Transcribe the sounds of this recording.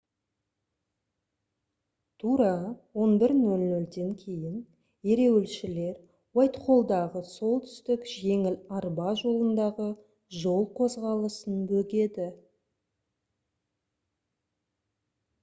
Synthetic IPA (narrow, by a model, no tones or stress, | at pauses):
t̪ʰuɾɑwo̞nbɪɾnɵlnɵld̪e̞ŋkʲʰe̞jɪn | e̞ɾe̞wɪlʃɪle̞ɾ | wajt̪χo̞lˠd̪ɑʁəso̞lˠt̪ʰʏ̥st̪ɪkʒe̞ŋɪlɑɾbɑʒo̞lˠənd̪ɑʁə | ʒo̞lˠqʰo̞zʁɑlˠəsənbɵɡʲe̞d̪ɪ